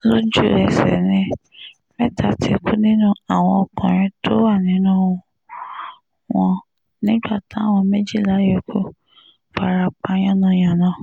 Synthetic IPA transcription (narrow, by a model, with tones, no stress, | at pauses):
lo˦d͡ʒu˦˨ɾɛ˨sɛ̰˨nĩ˦ | mɛ˦tʰa˧tʰi˧kʰu˦nĩ˦nũ˦a˦˨w̃ɔ̃˧ɔ˧kɔ̃˨ɾ̃ĩ˧˦tʰo˦wa˦˨nĩ˨˦nũ˦ | w̃ɔ̃˧ | nĩ˦ɡ͡ba˦˨tã˨˦˨w̃ɔ̃˧me˦d͡ʒi˦˨la˨˦je˦˨kʰo˦ | k͡pa˨ɾa˨˧k͡pa˨˦j̃ã˦nã˧j̃ã˨nã˨˦